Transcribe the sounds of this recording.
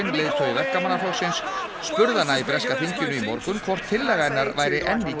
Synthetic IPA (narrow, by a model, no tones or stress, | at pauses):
ɪnleːjðt̪ʰœɥjvɛhkamanːaflowsɪnsː | pʏɾðanːaipɾɛskafiɲcʏnʏimɔɾkʏmkʰvɔr̥t̪ʰːɪlːɛːɣaɪnːaɾvajɾɪʔɛnːi